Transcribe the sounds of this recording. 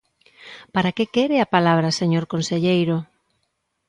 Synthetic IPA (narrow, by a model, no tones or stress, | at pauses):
paɾakekeɾeapalaβ̞ɾɐseɲoɾkonseʎejɾo